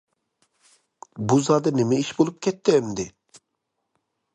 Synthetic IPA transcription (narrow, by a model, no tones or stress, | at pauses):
buzɑd̪ɨnɪmɛiʃbolˠup̚kʲʰɛt̪ːɪɛmd̪ɪ